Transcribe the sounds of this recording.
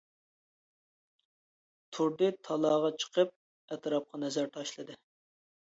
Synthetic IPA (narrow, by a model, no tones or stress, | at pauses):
t̪ʰuɾd̪ɨt̪ʰɑlˠɑːʁɑt͡ʃʰə̥qʰəp̚ | ɛt̪ɾɑp̚qʰɑnɛzæɾt̪ʰɑʃlˠɨd̪ɨ